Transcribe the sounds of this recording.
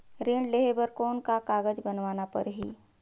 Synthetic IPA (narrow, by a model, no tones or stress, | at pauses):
ɾeːɳɖleɦebəɾkɔːnkakaːɡəd͡ʒbənʋaːnapə̰ɾɦḭː